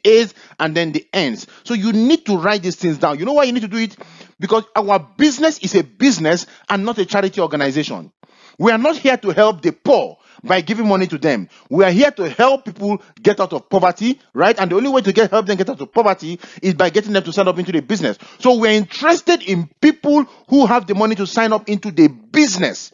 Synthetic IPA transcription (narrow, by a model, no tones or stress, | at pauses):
ez | ãnðɛ̃nðiɛ̃ndssojunid̚tuɹaɪt̚d̪isθɪ̃ŋzdãʊ̃njunowaɪjunidtuduitbikɔsawəbiznɛsizebiznɛs | ʔãnːɔtet͡ʃaɹitiɔɡanaɪzeʃɔ̰̃n | wianɔt̚hiətuhɛlˠp̚ðəpɔ | baɪɡivɪ̃ŋmɔnituðɛ̃m | wiahiətuhɛlˠpːipl̩ˠ | ɡɛtaʊtɔv̥pɔvəti | ɹaɪtãndiõʊ̃nliweɪtuɡɛt̚hɛlˠp̚ðɛ̃mɡɛtaʊtɔv̥pɔvətiɪzbaɪɡɛtɪ̃ŋðɛ̃mtusãɪ̃ndɔp̬ɪ̃ntuðəbiznɛ̰sːowiaĩntɹɛstɛdĩnpiplˠ | huɦavðəmʌnitusãɪ̃nɔpɪ̃ntuðəbiznɛ̰s